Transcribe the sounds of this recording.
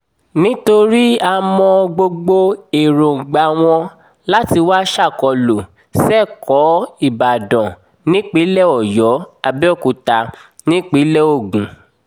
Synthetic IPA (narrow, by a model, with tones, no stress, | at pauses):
nĩ˦to˧ɾi˦a˧mɔ̃˧ɡ͡bo˧ɡ͡bo˧e˨ɾõ˨ɡ͡ba˨w̃ɔ̃˧ | la˦ti˧wa˦ʃa˦˨kɔ˧lo˨ | sɛ˦˨kɔ˨˦i˦˨ba˨dɔ̃˨ | nĩ˦k͡pi˨˦lɛ˦˨ɔ˨jɔ˨˦a˧bɛ˦˨ku˨ta˧ | nĩ˦k͡pi˨˦lɛ˦o˦˨ɡũ˨˦